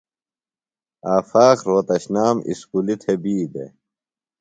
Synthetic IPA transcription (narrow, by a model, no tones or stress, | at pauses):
aːfaːxɾoːt̪ɐɕnaːmḭskulit̪ʰebiːd̪ḛ